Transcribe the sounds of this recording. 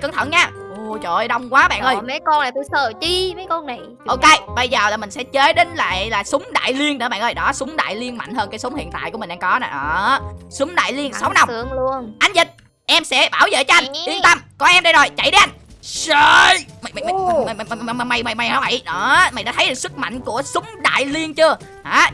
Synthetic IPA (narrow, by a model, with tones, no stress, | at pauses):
kə˨˦ŋt̪ʰə̰˧˩nɲaː˧˦ʔu˨˩t͡ɕo̰˧˨˩jɗə˧wŋ͡mkwaː˨˦ɓa̰ː˧˨ŋʔəː˧jmə˨˦kɔ˧nla˨˩t̪u˧səː˨˩t͡ɕi˧məː˨˦jkɔ˧na˨˩j | ʔo˧ke˧jɓə˧jzəː˨˩laː˨˩mï˨˩ŋ̟sɛ̰˧˥t͡ɕe˨˦˥ɗe˨˦nla̰ː˧˨jlaː˨˩sʊ˨˦ŋ͡mɗa̰ː˧˨jli˧ənɗəː˧˦˩ɓa̰˧˨ʔəː˧˩jɗɔ˨˦sʊ˨˦ŋ͡mɗa̰ː˧˨jli˧ənma̰˧˨jhəː˧nkaː˨˦jsʊ˨˦ŋ͡mhḭ˧˨ənt̪a̰ː˧˨jkmi˨˩ŋ̟ɗaː˧kɔ˨˦naː˨˩ʔəː˧˨˩sʊ˨˦ŋ͡mɗa̰ː˧˨jli˧ənsa˨˦wna˧m˧˩əŋlu˧ənʔa˧jŋ̟zi˨˩t̚ | ʔɛ˧msɛ̰˧˥ɓaː˧˩wzə̰˧˨t͡ɕːʔa˧jŋ̟ʔi˧ənt̪a˧mkɔ˧ʔɛ˧mɗə˧jzo˨˩jt͡ɕa̰˧˩jɗe˨˦ʔa˧jŋ̟sə˧jma˨jm˨m˨m˨˩˨m˨˩˨ma˨˩ma˨˩jma˨˩jma˨˩jha˧va̰˧˨jəː˧˩ma̰˨jɗaː˧˥t̪ʰə˦jɗɨ˨˩k̚sɨ˦˥k̚ma̰˧˨jŋ̟ku˧˩əsʊ˨˦wŋ͡mɗa̰ː˧˨jli˧ənt͡ɕɨ˧ə | haː˨˦